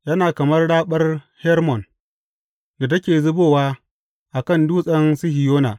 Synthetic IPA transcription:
jɐ˦naː˨kɐ˨mɐ˦rɽaː˦ɓɐ˦r | hɛ˦rmɔ˨n | da˨tɐ˦kʲeː˨zʊ˦boː˦waː˦ | ʔa˨kɐ˦˨nduː˦sʼɐ˦nsɪ˦hɪ˨joː˦naː˨

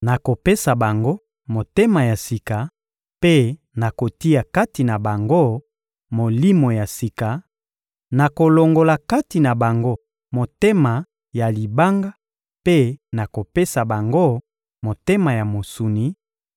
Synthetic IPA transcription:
na˨ko˨pe˦sa˨ba˨ŋɡo˦ | mo˨te˦ma˨ja˨si˨ka˨ | pe˦ | na˨ko˨ti˦a˨ka˦ti˨na˨ba˨ŋɡo˦ | mo˨li˦mo˨ja˨si˨ka˨ | na˨ko˨lo˨ŋɡo˨la˨ka˦ti˨na˨ba˨ŋɡo˦ | mo˨te˦ma˨ | ja˨li˨ba˦ŋɡa˦ | pe˦na˨ko˨pe˦sa˨ba˨ŋɡo˦ | mo˨te˦ma˨ja˨mo˨su˨ni˨

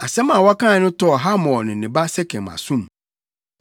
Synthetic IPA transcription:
a˨sɛ˦mã˨wɔ˦kã˦˨˦nʊ̃˦tɔ˦ɔ˨ɦa˦mɔ̃˨nɪ̃˨nɪ̃˨ba˦sɛ˦kʰɛ̃˨mã̰˨sũ˦m

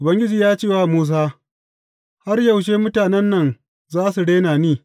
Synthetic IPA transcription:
ʔʊ˨bɐ˦ŋɡʲɪ˦d͡ʒiː˨jaː˦t͡ʃeː˦˨waː˦muː˦s̬aː˦ | ha˦rjɐ˨wʃ̬eː˦mʊ˦taː˨nɛ˦nːɐ˨ŋ | zaː˦su˨ɽeː˦naː˨niː˦˨

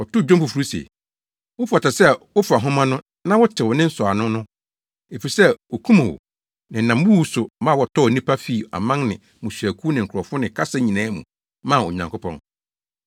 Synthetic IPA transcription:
ɔ˨tʊ˦˨d͡ʑᶣõ˦mpu˨fu˨ɾu˦sḛ˨ | wʊ˦fa˨ta˨sɛ˦wʊ˦fa˨ɦʊ̃˦mã˦nʊ̃˦ | nã˦wʊ˦tʰɪ˨wɔ˨nɪ̃˦n̩˦sɔ˨a˨nʊ̃˦nʊ̃˦ | e˨fi˨sɛ˦wo˨kʰũ˦mã˨wo̰˨ | nɪ̃˨n̩˨nã˨m˦u˦wu˦sʊ˨mãː˦wɔ˨tʰɔ˦˨nĩ˦pʰa˦fi˦˨a̰˨mã˦ŋnɪ̃˨ | mũ˨ɕᶣæ˨kʰu˦nɪ̃˨ŋ̩˨kʰɾɔ˨fʊ˦nɪ̃˨kʰa˦sa˦ɲĩ˨nãː˦mṵ̃˨ | mã˦˨ɔ˨ɲã˨ŋkʰo˦pʰɔ̰̃˦n

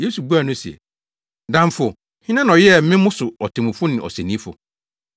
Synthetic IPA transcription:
je˦su˨bu˦a˨nʊ̃˦si˨ɛ̰˨ | dã˨m˦fʊ˨ | hɪ̃˦nã˦n˨ɔ˨jɛ˦˨˦mɪ̃˦mʊ̃˦sʊ˨ɔ˨tʰɪ̃˨mʊ̃˨fʊ˦nɪ̃˨ʔɔ̰˨sæ˨nĩ˦fʊ̰˨

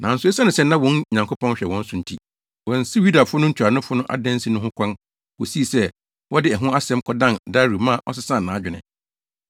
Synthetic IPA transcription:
nʔã˨n̩˨sʊ˨˦ɛ˦sa˦nɪ̃˨sɛ˦nã˦wɔ̃˦nɲã˨ŋkʰo˦pʰɔ̃˦nɕᶣɛ˨wɔ̃˨˦n̩˦sʊ˨n̩˨tʰi˦ | wɔ̃˨n̩˨si˦ɥu˦da˨fʊ˦nʊ̃˦ɲ̩˦t͡ɕʰᶣa˨nʊ̃˦fʊ˦nʊ̃˦ʔa̰˨dɛ̃˦n˦si˦nʊ̃˦ɦʊ̃˦kʷʰã˦n | wo˨si˦˨sɛ˦ | wɔ˦dɪ˦ɛ˨ɦʊ̃˦a˦sɛ̃˦m̩˦kʰɔ˦dã˦˨nda˦ɾu˨mã˦˨ʔɔ̰˦s̬ɪ˦sã˦˨nːãː˨˦d͡ʑᶣɪ˨nɪ̰̃˨

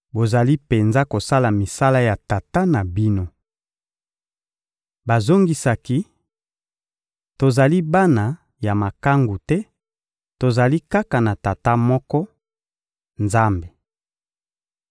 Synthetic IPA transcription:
bo˨za˨li˦pe˨nza˦ko˨sa˦la˨mi˨sa˦la˦ja˨ta˨ta˦na˨bi˦no˦ | ba˨zo˦ŋɡi˨sa˨ki˦ | to˨za˨li˦ba˦na˨ | ja˨ma˨ka˦ŋɡu˨tɛ˦ | to˨za˨li˦ka˦ka˨na˨ta˨ta˦mɔ˦kɔ˦ | nza˦mbe˨

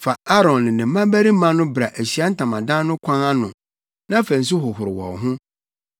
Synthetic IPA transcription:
fa˨a˦ɾɔ̃˨nːɪ̃˨nɪ̃˨m˦mã˦bæ˦ɾi˦mã˦nʊ̃˦bɾa˨ʔæ˨ɕi˨˦a˦n̩˦tʰã˨mã˨dã˦nʊ̃˦kʷʰã˦ŋa˦nʊ̃˨ | nã˦fæ˨n̩˨s̬ʊ˦ɦʊ˨hʊ˨ɾɪ˨wɔ̰̃˨ɦʊ̃˦

